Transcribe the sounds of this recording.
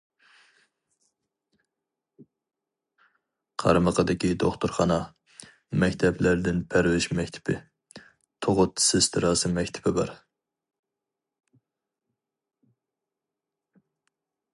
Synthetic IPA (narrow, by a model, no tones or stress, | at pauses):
qʰɑ̰ɾməqʰəd̪ɪkʲid̪oχt̪ʊɾχɑnɑ | mɛkʲt̪ʰɛplæɾd̪ɪnpʰæɾwɪʃmɛkʲt̪ʰɪ̥pɪ̰ | t̪ʰoʁʊt̪sɪst̪ʰɨɾɑsɨmɛkʲt̪ʰɪ̥bɪbɑ̰ɾ